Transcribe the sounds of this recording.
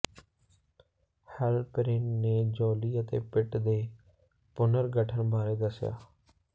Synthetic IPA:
hɛlpɾɪːnːeːd͡ʒɔːliːət̪ḛːpɪʈd̪eː | pʊnəɾɡəʈʰənbaːɾeːd̪əsja̰ː

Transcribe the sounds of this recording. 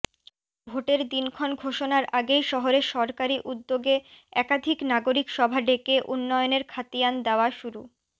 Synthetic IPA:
bʱoʈeɾd̪inkʰɔnɡʱoʃonaɾʔaɡejʃɔɦoɾeʃɔɾkaɾiʔud̪ːoɡeɛkad̪ʱiknaɡoɾikʃɔbʱaɖekeʔunːɔjoneɾkʰat̪iand̪eoaʃuɾu

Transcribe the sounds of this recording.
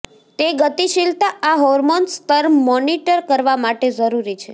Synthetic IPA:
t̪eɡət̪iʃilt̪aaɦɔɾmonst̪əɾmɔniʈəɾkəɾʋamaʈed͡ʒəɾuɾit͡ʃʰe

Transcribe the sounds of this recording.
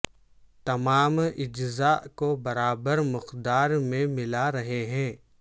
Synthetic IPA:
t̪ɐmaːmɪd͡ʒzaʔkobɐɾaːbəɾmʊqd̪aːɾmẽmɪlaɾɐɦeɦɛ̃ː

